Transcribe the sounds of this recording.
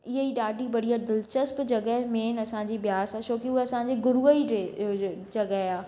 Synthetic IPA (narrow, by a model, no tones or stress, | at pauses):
ɪɦeiɗaːɖʱibɐɽijad̪ɪlt͡ɕəspd͡ʑɐɡəɦmeːnɐsãːɲ̆d͡ʑiːbɪjaːsat͡ʃoːkiʊɦeɐsãɲd͡ʑeɡʊɾuəied͡ʑɐɡəɦaː